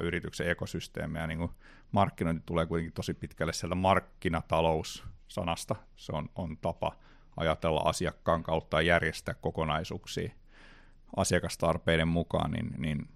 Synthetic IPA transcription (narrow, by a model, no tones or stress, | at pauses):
yrit̪ykseekosyst̪ḛːmejɑniːŋku | mɑrkːinoint̪i̥t̪uleːkuit̪eŋkit̪osipit̪kælːesiælt̪æmɑrkːinɑt̪ɑloussɑ̰nɑst̪ɑ | seonont̪ɑpɑ̰ | ɑ̰jɑt̪elːɑ̰ʔɑ̰siɑkːɑːŋkɑut̪ːɑjɑjærjest̪æːkkokonɑisuːksḭː | ʔɑsiɑkɑst̪ɑrpeinemmukɑ̰ːnnḭnnin